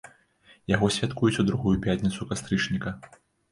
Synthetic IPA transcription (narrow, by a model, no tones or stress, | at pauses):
jaɣɔsʲvʲat̪kujut͡sʲud̪ɾuɣujupʲat̪ʲnʲit̪sukast̪ɾɨt͡ʂnʲikɐ